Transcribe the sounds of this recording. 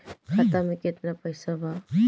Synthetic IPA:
kʰat̪amẽket̪napəjsaba

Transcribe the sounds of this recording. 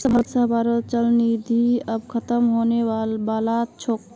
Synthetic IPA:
səbʱəɾt̪səɦbaɾəlt͡ʃəlnid̪ʱiəbkʰət̪əmɦonewabalat͡ʃʰok

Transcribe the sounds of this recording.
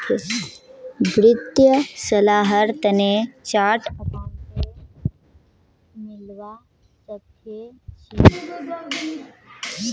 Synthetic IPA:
bʱɾɪt̪jəsɐlaːɦəɾt̪ənet͡ʃaːʈʰɐpaːne | mɪlʋa | sətʰ | et͡ʃiː

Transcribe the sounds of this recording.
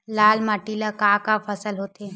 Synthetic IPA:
laːlmaʈilakakafʰəsəlɦoːt̪eː

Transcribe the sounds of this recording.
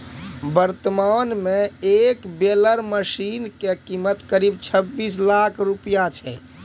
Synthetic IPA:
bəɾt̪əmanmeekbeləɾməsinkekimət̪kəɾib̚t͡ʃʰəbːislakʰɾupijat͡ʃʰɛ̰

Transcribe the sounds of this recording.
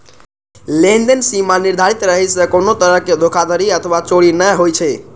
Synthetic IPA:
lend̪ensimaniɾd̪ʱaɾit̪ɾəɦɛsə̃konot̪əɾəɦked̪ʱokʰad̪əɾiət̪ʰəwat͡ʃoɽinəɦojt͡ʃʰɛ

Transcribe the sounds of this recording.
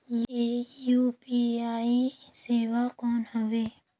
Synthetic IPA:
jejuːpiaːiseːʋakɔːnhəʋeː

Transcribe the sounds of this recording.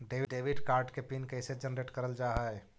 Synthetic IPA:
ɖeːʋɖeːʋɪɖkaːɾɖkepiːnkɛɪsed͡ʒənɾeːʈkɐɾəld͡ʒaːɦaɛ

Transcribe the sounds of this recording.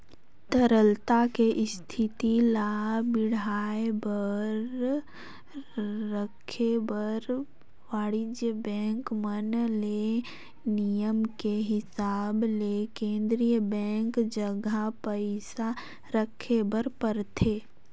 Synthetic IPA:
t̪əɾəlt̪akeʔɪst̪ʰɪt̪ilabɪɽaːebəɾ | əkʰebəɾ | ʋaːɽɪd͡ʒjəbɛ̃ːŋkmənle | nijəmkeɦɪsaːblekẽːnd̪ɾijəbɛ̃ːŋkd͡ʒəɡapəɪsa | ɾəkʰebəɾpəɾt̪ʰeː

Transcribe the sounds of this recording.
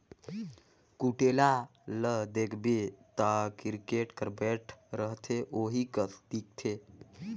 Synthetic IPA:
kuʈela | ləɦd̪ekʰbet̪əkiɾkeʈkəɾbɛʈʰɾəɦt̪ʰeʔoɦikət̪ʰʈik̚t̪ʰe

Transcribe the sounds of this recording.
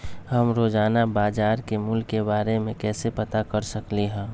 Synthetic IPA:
ɦəmɾoːd͡ʒaːnabaːd͡ʒaːɾkemʊlːebaːɾemẽkɛːsepət̪akəɾsəkliɦɛ̃ː

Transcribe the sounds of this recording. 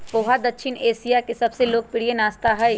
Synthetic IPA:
poːɦad̪ɐkʃʰɪneːsijakesɐbseloːɡ̚pɪɽijenaːst̪aɦɐj

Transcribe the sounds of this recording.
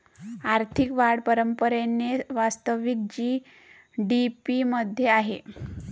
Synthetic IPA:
aɾt̪ʰikʋaɽpəɾəmpəɾenːeʋast̪əʋik̚d͡ʑiː | ɖipiməd̪ʱjeaɦe

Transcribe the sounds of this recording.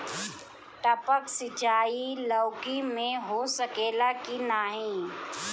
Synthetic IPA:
ʈəpəksɪt͡ʃaːilɔʊkimẽɦosəkeːlakinaːɦĩː

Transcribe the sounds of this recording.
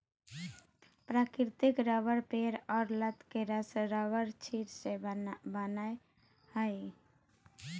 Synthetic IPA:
pɾakɪɾt̪ikɾəʋəɾpeɾɔːɾlət̪keɾəsɾəʋəɾt͡ʃʰiɾsẽbənae | həj

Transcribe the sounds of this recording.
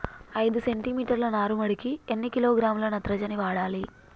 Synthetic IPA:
ɐjd̪use̞ɳʈimiːʈɐɾlɐnaːɾumɐɽikienːikiloːɡɾaːmlɐnɐt̪ɾɐd͡ʒɐniʋaːɽaːli

